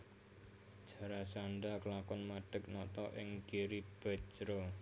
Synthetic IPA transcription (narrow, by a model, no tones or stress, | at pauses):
d̥ʒ̥a̤ɾasanɖakəlakʊnmaɖ̥ə̤k̚nɔt̪ɔʔɪ̰ŋɡ̥eɾib̥ḁt͡ʃɾo